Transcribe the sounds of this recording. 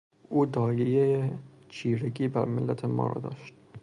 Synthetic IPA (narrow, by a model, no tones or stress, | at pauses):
ʔuːd̪ɒːjejeje | t͡ʃʰiːɾeɡiːbæɾmelːæt̪ʰemɒ̰ːɾɒ̰ːd̪ɒ̰ːʃt̪̚